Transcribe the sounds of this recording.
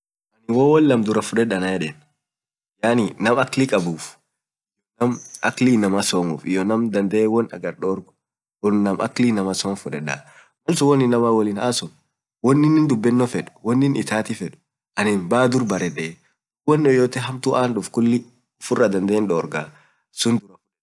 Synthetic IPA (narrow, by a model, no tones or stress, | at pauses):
ʔɐnɪwɔwɔlːɐmd̪ʊɾɐfʊᶑɛᶑɐnɐjɛᶑeːn | jaːninɐmɐklikʼɐbuːf | jnɐmɐ̰klinɐmasɔmuːfɪjɔnɐmd̪ɐnd̪ɐewɔnɐ̰ɡɐɾɗoːɾɡʊ̥ | ɔnnɐmɐ̰klinɐmɐsɔːmfʊᶑɛᶑa̰ː | mɐlsʊwɔnːɪnːɐmawɔlɪnaːsɔn | wɔnːɪnɪnd̪ʊbːɪnːɔfɛᶑʊ̥wɔnːɪnɪt̪aːt̪ifɛᶑʊ̥ | ʔɐnɪnbaːd̪ʊɾbɐɾɛᶑe | wɔnːɔjoːt̪ɛɦɐmt̪ʊʔaːnɗʊfkʊlːɪ | ʊfʊrːɐd̪ɐnd̪eːnᶑoːɾɡaː | sʊnd̪ʊɾɐfʊᶑɛ